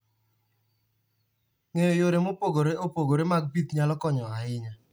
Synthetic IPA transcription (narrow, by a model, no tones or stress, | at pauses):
ŋejojoɾemopoɡoɾeopoɡoɾemaɡ̚bit̪ɲalɔkɔɲɔaɪɲa